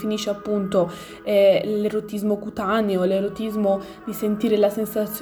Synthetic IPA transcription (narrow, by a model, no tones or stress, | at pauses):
finiːʃeapːunt̪o | ɛleɾot̪izmokut̪aneoleɾot̪izmo | d̪isent̪iːɾelasensat̪sː